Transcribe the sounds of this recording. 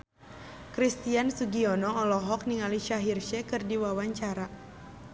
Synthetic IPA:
kɾist̪iansuɡiɔnɔːlɔɦɔk̚niŋaliʃaɦirʃɛkɨrdiwawaɲt͡ʃaɾa

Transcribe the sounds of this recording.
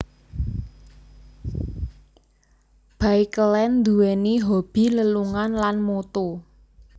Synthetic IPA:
b̥aikəlɛnd̪uwɛniɦob̥i̤ləluŋanlanmot̪o

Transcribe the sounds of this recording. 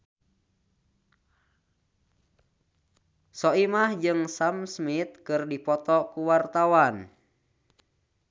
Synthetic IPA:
sɔimahd͡ʒɨŋsamsmit̪̚kɨrdipɔt̪ɔkuwart̪awan

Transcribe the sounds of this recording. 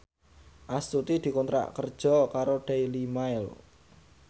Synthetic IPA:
ʔast̪ut̪id̪̥i̤kunt̪ɾa̰ʔkərd̥ʒ̥ɔ̤kaɾoɖ̥ejlimaɪl

